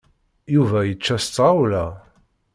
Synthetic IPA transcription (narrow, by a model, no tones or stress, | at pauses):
juvæjət͡ʃːæst͡sːʁawlæ